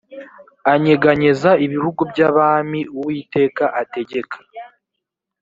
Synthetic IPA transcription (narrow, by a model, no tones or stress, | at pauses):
aɲe̞ɡaɲezaiβihuɡubɟaβaːmiuwiːte̞ːkaʔate̞ɟe̞kʰḁ